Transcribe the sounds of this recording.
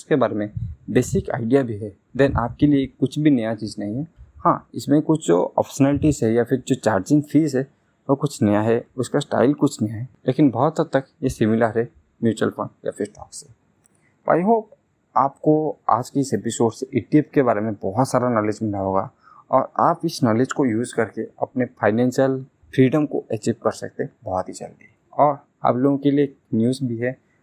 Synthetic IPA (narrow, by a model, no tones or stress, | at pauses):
ʊskebaːɾemẽbeːsɪka̰ːɪɖijabʱiɦɛ | d̪ɛnʔaːp̚kelieːkːʊt͡ʃʰbʱinɐjat͡ʃiːznɐɦĩɦɛhã̰ːɪsmẽkʊt͡ʃʰd͡ʒo̰ːɔ̰ːpʰʃənəlɪʈizɦɛjapʰɪɾd͡ʒoːt͡ʃaːɾd͡ʒɪ̃ŋɡfʰiːzɦɛ | ʋokʊt͡ʃʰnɐjaɦɛʊskasʈa̰ːɪlkʊt͡ʃʰnɐjaɦɛleːkɪnbɔɦɔt̪sɐt̪ɐkjesɪmɪləɾɦɛ | mjuːt͡ʃəlfʰo̰ːnja̰fʰɪɾʈɔ̰ːkse | pa̰ːjɦoː | aːp̚koa̰ːd͡ʒkeɪsepɪsoːɖseʔɪʈiep̚keβaːɾemẽbɔɦʊt̪saːɾanɔːled͡ʒbɪnaɦoːɡa̰ | ɔːɾa̰ːpɪsnɔːled͡ʒkojuːzkɐɾkeɐ̰pnepʰaːɪnɛ̃ːnʃjəl | fɾiːɖəmko̰ʔɛt͡ʃiːʋkɐɾsɐ̰k̚t̪ebɔɦɔt̪ɦid͡ʒɐ̰ld̪iɛɔːɾ | a̰ːploːɡõkelieːknjuːzbʱiɦɛ